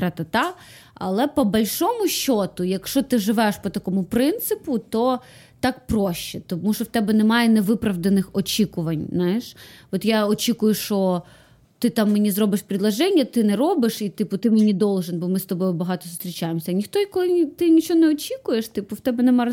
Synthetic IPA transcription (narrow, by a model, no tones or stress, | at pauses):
ɾɛt̪ɐt̪ɑ | ɐ̰lˠɛpɔbɐlʲʃɔmʊʃːɔt̪ʊjɐkʃɔt̪ɪʒɪʋɛʃpɔt̪ɐkɔmʊpɾɪnt̪sɪpʊt̪ɔ | t̪ɑk̚pɾɔʃt͡ʃɛt̪ɔmuʃɔwt̪ɛbɛnɛmɑjɛnɛʋɪpɾɐʋd̪ɐnɪxɔt͡ʃʲikʊʋɐnʲzɑjɛʃɔt̪jaɔt͡ʃʲikʊjʊʃt͡ʃɔ | t̪ɪt̪ɑmːenʲizɾɔbɪʃpʲɾʲid̪lˠɐʒɛnʲːɐt̪ɪnɛɾɔbɪʃit̪ɪpʊt̪ɪmenʲid̪ɔlˠʒɪnbɔmɪst̪ɔbɔjʊbɐɦɑt̪ɔsʊst̪ʲɾʲit͡ʃajemsʲɐnʲixt̪ɔjɐkɔjt̪ɪnʲit͡ʃɔɔnɛɔt͡ʃʲikʊjeʃt̪ɪpʊwt̪ɛbɛnɛmɑ